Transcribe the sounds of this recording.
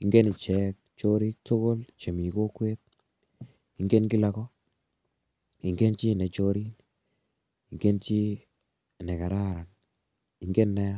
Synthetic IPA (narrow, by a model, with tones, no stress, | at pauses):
i˨ŋɡe˦ni˨t͡ʃɛ˨k̚t͡ʃo˦ɾi˦k̚tʰo˦ko˦lt͡ʃe˨mi˨ko˦kwe˦t̪̚ | i˨ŋɡe˦nki˦la˨kɔ˦ | i˨ŋɡe˦nt͡ʃi˦˨ne˨t͡ʃo˦ɾi˦n | i˨ŋɡe˦nt͡ʃi˦ | nɛ˨ka˨ɾa˦ɾa˨n | i˨˦ŋɡe˦nːɛ˦